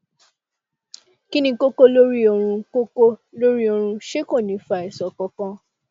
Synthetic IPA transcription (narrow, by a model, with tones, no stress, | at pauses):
ki˦nĩ˧ko˦ko˦lo˦ɾi˦o˧ɾ̃ũ˧ko˦ko˦lo˦ɾi˦o˧ɾ̃ũ˧ʃe˦ko˦˨nĩ˨˦fa˨i˨sɔ˨kɔ˧kã˧